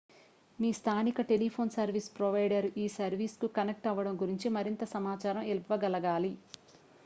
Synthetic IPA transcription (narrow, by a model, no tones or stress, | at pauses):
miːst̪ʰaːnikɐʈe̞lipʰo̞ːnsɐɾʋiːspɾoʋɐjɖɐɾiːsɐɾʋiːskukɐnek̚ʈɐʋːɐɽɐmɡuɾiɲt͡ʃimɐɾint̪ɐsɐmaːt͡ʃaːɾɐmilʋɐɡɐlɐɡaːli